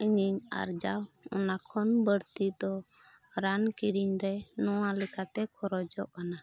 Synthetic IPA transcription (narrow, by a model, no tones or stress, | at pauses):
iɲiɲa̰ɾd͡ʒawɔnakʰɔnbəɽt̪id̪ɔ | ɾankiɾiɲɾɛnɔwalɛkʰat̪ɛkʰɔɾɔd͡ʒɔʔkana